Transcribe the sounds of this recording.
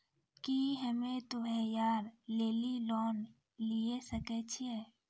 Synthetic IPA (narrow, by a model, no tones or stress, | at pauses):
kiɦəmẽt̪uɦɛjaːɾleːlilɔːn | liesəkɛt͡ʃʰiɛ